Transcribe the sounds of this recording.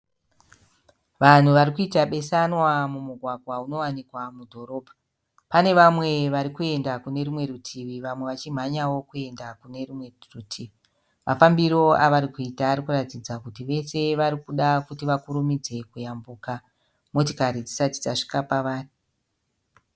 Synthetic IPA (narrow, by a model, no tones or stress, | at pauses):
ʋan̤uʋaɾikuitaɓe̞sanwamumuɡʱwaɡʱwauno̞wanikwamudʱo̞ɾo̞ːbʱa | pane̞ʋamwe̞ʋaɾikue̞ndakune̞ɾimwe̞ɾutʰiʋiʋamwe̞ʋat͡ʃim̤aɲawo̞kue̞ndakune̞rimwerutʰiʋi | mafambiɾo̞aʋaɾikuitaːɾikuratid͡zakutiʋe̞se̞ʋaɾikuɗakutiʋakuɾumid͡ze̞kujambuːka | mo̞tokaɾid͡zisati̥d͡zaʂi̥kapaʋaːri